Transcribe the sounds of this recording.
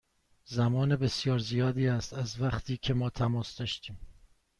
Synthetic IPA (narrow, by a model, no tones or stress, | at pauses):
zæmɒːnebe̞sjɒːɾzijɒːd̪iːæst̪æzvæχt̪ʰiːcʰe̞mɒːt̪ʰæmɒːsd̪ɒːʃt̪iːm